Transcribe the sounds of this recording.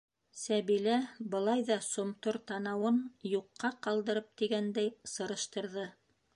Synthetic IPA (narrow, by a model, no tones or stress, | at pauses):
sæβilæbɤ̆lˠɑjðɑsŏmt̪oɾt̪ɑnɑwɤnjuqːɑqɑlˠd̪ɤ̆ɾɤp̚t̪iɡænd̪æjsɤ̆ɾɤ̆ʃt̪ɤ̆ɾðɤ